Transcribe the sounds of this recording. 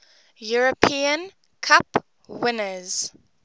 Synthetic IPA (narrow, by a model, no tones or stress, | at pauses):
juɹəpʰiə̃n | kʰap | wɪnəz̥